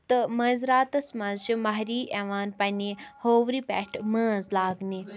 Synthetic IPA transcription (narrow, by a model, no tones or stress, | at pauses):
t̪ɨmɐzɾaːt̪ɐsmɐzʃimaɦɾiːʔeʋaːnpɐnʲihoːʋɾipʲɛ̰ʈʰmə̃ːzlaːɡni